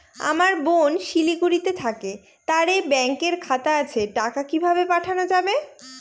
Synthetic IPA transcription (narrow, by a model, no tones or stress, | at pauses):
a̰maɾbonʃilikuɾit̪et̪ʰake | t̪aɾebɛŋkeɾkʰat̪aat͡ɕʰeʈakakibʱabepaʈʰanod͡ʑabe